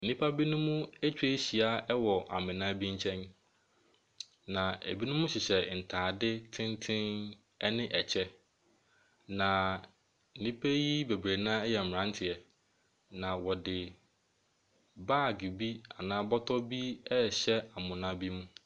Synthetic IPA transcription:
n̩˨nĩ˦pʰa˦bi˦nũ˦mũ˦e˦t͡ɕᶣe˦ɕi˨a˦ɛ˦wɔ˨ʔa̰˨mɪ̃˨nã˦bi˦ɲ̩˦t͡ɕʰɛ̃˦n | nã˨ḛ˨bi˦nʊ̃˦mʊ̃˦ɕɪ˨ɕɛ˨n̩˨tʰaː˨dɪ˦tʰɪ̃˦ntʰɪ̃˦n | ɛ˦nɪ̃˦ʔɛ˨t͡ɕʰɛ˦ | nã˨ | n̩˨nĩ˦pʰe˦ji˦be˨bɾe˨nãː˦jɛ˨m̩˨ɾã˦n˦tʰɪ˨ɛ˨ | nã˨wɔ˨dɪ˨ | baː˦˨ɡi˨bi˦a˨nãː˦bɔ˦tʰɔ˦bi˦ɛ˦˨ɕɛ˦a˨mʊ̃˨nã˦bi˦mũ˦

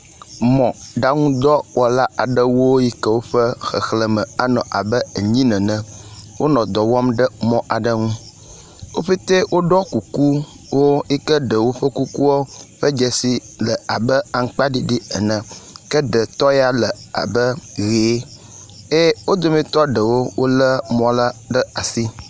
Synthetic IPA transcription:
mɔ̃˨ɖa˦ŋũ˦d̪ɔ˦wɔ˨la˦a˨ɖə˦wo˦ji˦kə˦wo˦ɸə˦xə̰˨xlə˨mə̃˨a˨nɔ̃˨ʔa̰˨bə˦e˨ɲĩ˦nɛ̃˨nə̃˨wʔo˦nɔ̃˨d̪ɔ˨wɔ˦mɖə˦mɔ̃˨ʔa˨ɖə˦ŋũ˦ | wo˦ɸe˦t̪e˦wʔo˦ɖɔ˦ku˨ku˦ | wo˦i˦kə˦ɖə˨wo˦ɸə˦ku˦ku˦wo˦ɸə˦d͡ʒɛ˨si˨ | lə˨a˨bə˦a˨ŋ̩˦k͡pa˦ɖi˦ɖi˦ə˨nə̃˨kə˦ɖə˨t̪ɔ˦ja˦lə˨a̰˨bə˦ɣe˨˦ | e˦wo˦d̪o˦mĩ˨t̪ɔ˦ɖə˨wo˦wʔo˦lə˦mɔ̃˨la˦ɖə˦a˨si˦

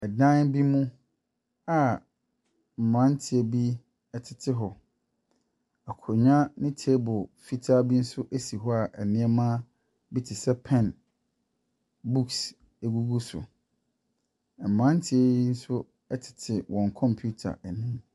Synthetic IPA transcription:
ɛ˨dã˦nbi˦mũ˦ | a˨ | m̩˨mã˦n˦tʰɪ˨ɛ˨bi˦ | ɛ˨tʰɪ˨tʰɪ˦ɦɔ˨ | a˨kʰɲã˦nɪ̃˦tʰi˨˦ɛ˦bʊ˨fi˦tʰa˦bi˦n̩˦sʊ˦ʔæ˦si˨ɦɔ˦a˨ʔɛ˨nɪ̃˦ɛ˦mãː˦ | bi˦tʰɪ˨sɛ˦pʰɛ̃˨n | bu˦ks | e˨ɡu˦ɡu˦sʊ̰˨ | mã˦n˦tʰɪ˦e˦ji˦n̩˦sʊ˦ | ɛ˦tʰɪ̥˨tʰɪ˨wʔɔ̃˨ŋkʰɔ̃˦˨mpʰju˦tʰa̰˨ɛ˨nʊ̃˦m

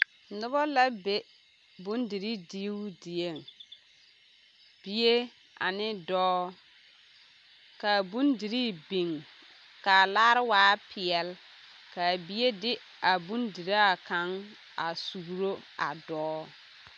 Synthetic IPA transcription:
nʊ˦bɔ˦la˦be˦ | bu˦ndi˨ɾi˦di˦di˨je˦˨ŋ | b̥i˦je˦ | a̰˨nɪ˦dɔː˦ | ka˨bu˦ndi˨ɾi˦bi˨ŋ | ka˨laː˦ɾɪ˦waː˦pʰɪ˨ɛ˨l | ka˨bi˦e˦dɪ˦ | a˨bu˦ndi˨ɾa˦a˨ka˨˦ŋ | a˨su˨ɾo˦a̰˨dɔː˦

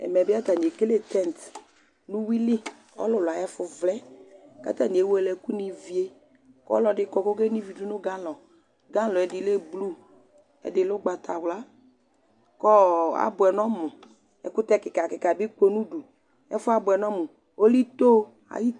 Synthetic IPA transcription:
ɛ̰˨mɛ˨bɪ˦a˦ta˨n˨e˨ke˦le˦t̪ɛ˦˨n˨t | nũ˦wi˦li˦ | ɔ̰˦lʊ˨la˨jɛ˦fʊ˨vlɛ˦ka̰˦t̪a˦˨nĩ˨e˦wɛ˦lɛ˨ku˦ni˨vi˨e˦ | kɔ̰˦lɔ˨dɪ˦kɔ˨kɔ˦ke˦nĩ˦vi˨du˦nʊ˦ɡa˦lɔ˨ | ɡa˦lɔ˨ɛ˨dɪ˨le˦blu˦ | ɛ̰˨dɪ˨lʊ˦ɡ͡ba˨t̪a˨wla˦ | kɔ˦a̰˨bʊ˨ɛ˨nɔ˦mʊ˨ | ɛ̰˨kʊ˦t̪ɛ˦kɪ˨ka˨kɪ˨ka˨bɪ˦k͡po˦nũ˦du˨ | ɛ̰˦fʊ˦a˦bʊ˨ɛ˨nɔ˦mʊ˨ | o˦li˦t̪o˦ | a̰˨ji˦

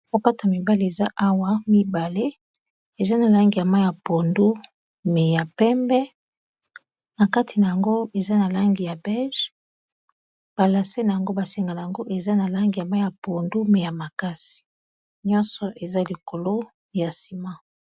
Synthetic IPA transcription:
ko˨pa˦ta˨mi˨ba˦le˦e˨za˦ʔa˦wa˦mi˦ba˨le˦ | e˨za˦na˨la˦ŋɡi˨ja˨ma˦ja˨po˨ndu˦ | me˨ja˨pɛ˦mbɛ˦ | na˨ka˦tʰi˨na˨ja˨ŋɡo˦e˨za˦na˨la˦ŋɡi˨ja˨bɛ˦lʒ | b̥a˨la˨se˦na˨ja˨ŋɡo˦ba˨se˨ŋɡa˨na˨ja˨ŋɡo˦ʔe˨za˦na˨la˦ŋɡi˨ja˨ma˦ja˨po˨ndu˦me˨ja˨ma˨ka˦si̥˨ | ɲɔ˦nsɔ˨ʔe˨za˦li˨ko˨lo˦ | ja˨si˨ma˦

